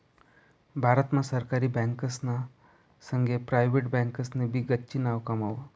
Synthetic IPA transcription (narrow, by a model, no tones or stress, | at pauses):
bʱaɾət̪mãsəɾkaɾiːbɛ̃ŋkəsna | səŋɡʱepɾajʋeʈbɛ̃ŋkəsnebʱiɡətːɕinaʋkamaʋə